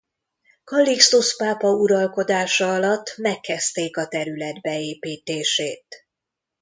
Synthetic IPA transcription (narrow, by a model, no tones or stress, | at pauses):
kɒlːikst̪uspaːpɒuɾɒlko̞d̪aːʃɒɒlɒt̪ːmɛkːɛst̪eːkɒt̪ɛɾylɛd̪bɛeːpiːt̪eːʃḛːt̪